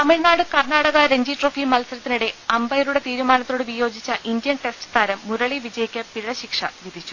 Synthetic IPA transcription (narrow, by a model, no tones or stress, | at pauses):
t̪ɐmiɻnaːɽɨkɐrɳaːɽɐɣɐɾeɲd͡ʑiʈroːfimɐlsɐɾɐt̪ːiniɽe̞ɐmbɐjɐɾuɽe̞t̪iːɾumaːnɐt̪ːo̞ːɽɨʋijo̞ːd͡ʑit͡ɕːɐʔindijɐnʈe̞stɨ̥t̪ʰaːɾɐmːuɾɐɭiʋid͡ʑɐjikʲːɐpiɻɐɕikʂɐʋid̪ʱit͡ɕːu̥